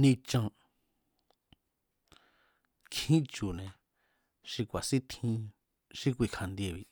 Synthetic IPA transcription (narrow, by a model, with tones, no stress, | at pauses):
nĩ˧t͡ʃã˧ | kʰĩ˦t͡ʃu˨nẽ˧ | ʃi˧kʷa˨si˦t̪ʰĩ˧ | ʃi˦kʷi˧˨kʰa˧nd̪e˧˨βi˧